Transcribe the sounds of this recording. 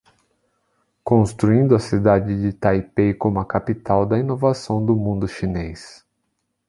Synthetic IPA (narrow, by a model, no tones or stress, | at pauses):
kõst̪ɾuĩnd̪ʊɐsid̪ad͡ʒɪd͡ʒɪt̪ajpejkõmʊɐkapit̪awd̪ɐinovasɐ̃w̃d̪ʊmũnd̪ʊʃinejs